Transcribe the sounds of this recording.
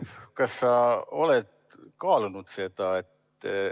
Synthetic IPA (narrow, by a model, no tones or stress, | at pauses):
kɑsːɑo̞led̪̥ | kɑːlunud̪̥se̞d̪̥ɑe̞t̪ː